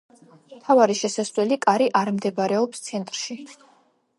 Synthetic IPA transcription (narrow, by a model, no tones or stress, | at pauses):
mt̪ʰavaɾiʃɛsaswɛlikʼaɾiʔaɾmd̪ɛbaɾɛɔpst̪sʰɛnt̪ʼɾʃi